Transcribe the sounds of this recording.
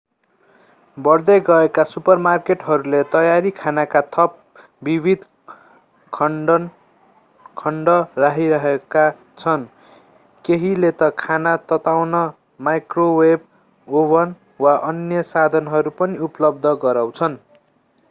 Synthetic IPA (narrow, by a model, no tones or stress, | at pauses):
bʌrd̪eɡʌekasupʌrmarkeʈɦʌɾulet̪ʌjaɾikʰanakat̪ʰʌp̚ | bibʱid̪ | kʰʌn | kʰʌɳɖʌraɦiɾʌɦeka | t͡sʰʌn | keɦilet̪ʌkʰanat̪ʌt̪awnʌ | majkroweb̚ | obʌn | waʔʌnjʌsad̪ʱʌnɦʌɾupʌniuplʌb̚d̪ʱʌɡʌɾaw̃t͡sʰʌn